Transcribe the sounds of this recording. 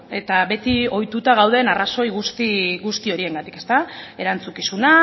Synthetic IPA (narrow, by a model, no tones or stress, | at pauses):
e̞t̪aβe̞t̪io̞jt̪ut̪aɣ̞awð̞e̞ːnaraso̞jɣust̪iɣust̪io̞ɾie̞ŋɡat̪i̥ke̞st̪ae̞ɾant͡sukisuna